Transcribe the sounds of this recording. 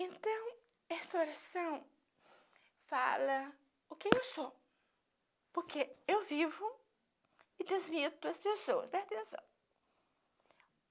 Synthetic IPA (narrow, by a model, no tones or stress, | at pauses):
ẽnt̪ɐ̃w̃ | ɛst̪ɐoɾasɐ̃w̃ | fa̰lɐ | ʊkẽewso | poɾkeewvivʊ | ɪd̪ezmit̪ʊɐspesoɐ̰spɛɾt̪ẽsɐ̰̃w̃